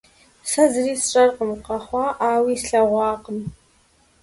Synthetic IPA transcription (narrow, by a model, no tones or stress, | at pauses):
sɐzɨriːsʈ͡ʂʼɐrqəmqɑχʷɑːʔaːwiːsɬɐʁʷɑːqʼəm